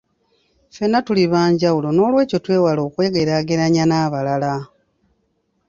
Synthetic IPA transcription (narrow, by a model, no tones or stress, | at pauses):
fe̞natuliβaːɲɟawulo̞no̞ːlwe̞ːco̞twe̞ːwalo̞ːkwe̞ːɡe̞ɾaɡe̞ɾaɲanaːβalala